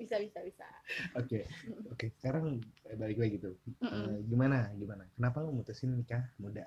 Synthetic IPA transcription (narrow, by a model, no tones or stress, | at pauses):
bisabisabisa̰okeokesə̥kaɾaŋbalɪklaɡit̪uəɡimanaɡimanakənapaməmut̪usɪnːikahmuda